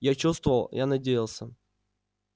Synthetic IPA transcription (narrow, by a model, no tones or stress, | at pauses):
jat͡ɕust̪vəvəlˠjʔanɐdʲejɪlˠsʲə